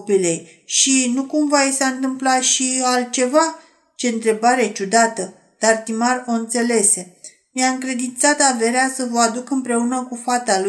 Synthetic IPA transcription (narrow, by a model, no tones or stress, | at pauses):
pile̞j | ʃinukumvajsaɨnt̪ɨmplaʃialt̪̚t͡ʃe̞va | t͡ʃe̞ɨnt̪ɾe̞baɾe̞t͡ʃud̪at̪ə | d̪̥art̪imaro̞ɨnt̪se̞le̞se̞ | miaɨŋkɾe̞d̪int̪sat̪ave̞ɾeasəvəad̪ukɨmpɾe̞unəkufat̪alu